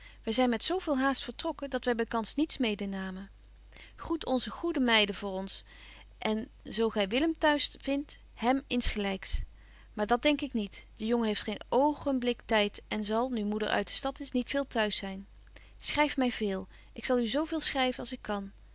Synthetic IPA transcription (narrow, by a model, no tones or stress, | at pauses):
ʋɛjzɛjnmɛtsowvɪːlˠɦaːstfəɹtrɔkədɑtʋɛjbɛjkɑnsnitsmejdənaːmə | χutʰɔnzəχudəmɛjdəvʊːɹɔns | ʔɛn | zowχɛjʋɪləmtœɥsvɪnt | hɛmɪnsχəlɛjks | maːɹdɑt̚dɛŋkɪknitd̥əjɔŋəɦejftχejnowχənblɪktɛjtɛnzɑlˠnymudə̰ɹʔœ̰ɥt̚də̥stɑtɪsnitfɪːlˠtœɥsɛjn | sχrɛjfmɛjvɪːlˠ | ʔɪksɑlˠyzowvɪːlˠsχrɛjvənɑlˠsɪkʰːɑn